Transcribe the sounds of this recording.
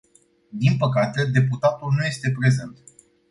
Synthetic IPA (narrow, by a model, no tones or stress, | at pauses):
d̪inpəkat̪e̞d̪e̞put̪at̪ulnuje̞st̪e̞pɾe̞ze̞nt̪